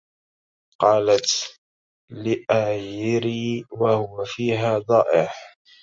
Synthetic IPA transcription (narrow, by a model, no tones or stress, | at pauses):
qɑːlat̪ | lɪʔaːjɪɾiːwahʊwafiːɦaːd̪ˤɑːʔɪħ